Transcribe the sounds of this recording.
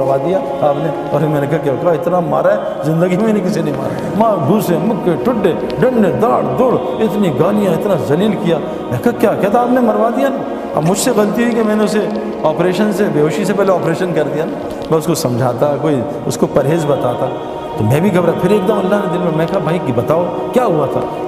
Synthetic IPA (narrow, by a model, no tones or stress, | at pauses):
ɾʋad̪ija | aːpne | ɔːɾmɛ̃ːnekakɛkaɪt̪nama̰ːɾaɦɛ | zɪ̃nd̪əɡimẽːnẽkɪsinɐɦĩma̰ːɾa̰ | maːbuːsẽmʊkːeʈʊɖːe | ɖɐ̃ɳɖed̪aːɽd̪oːɽ | ɪt̪niɡaːlijãɪt̪nazɐliːlkijaː | mɛ̃kɐakjaːkɛɦt̪aːpnemɐɾʋad̪ijana | ɐ̰bmʊd͡ʒʱseɣɐlt̪iɦʊikemɛ̃ːneʊse | ɔːpɾeːʃənsebeːɦoːʃisepɛɦleɔːpɾeːʃənkɐɾd̪ijanaː | mɛ̃ːʊskosɐ̃md͡ʒʱaːt̪akoːi | ʊskopɐɾɦeːzbɐt̪aːt̪ʰaː | t̪omɛ̃ːbʱiɡɐbɾapʰɪɾeːk̚d̪əmɐlːaɦned̪ɪlmẽmɛ̃kaɦabʱɐikbɐt̪aːo | kjaːɦuat̪ʰa̰ː